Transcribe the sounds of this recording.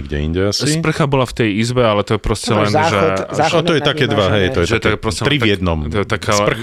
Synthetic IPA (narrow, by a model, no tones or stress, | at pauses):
ɡɟɛ̰ḭɲɟɛasispr̩xabɔlaft̪ɛjizbɛalɛt̪ɔjɛpɾɔscɛlɛnʒɛɔt̪ɔjɛt̪akɛːd̪ʋaɦɛjt̪ɔjɛtɛɛɔakpɾɔscɛlɛɾivjɛd̪nɔmt̪ɔjɛt̪akaspr̩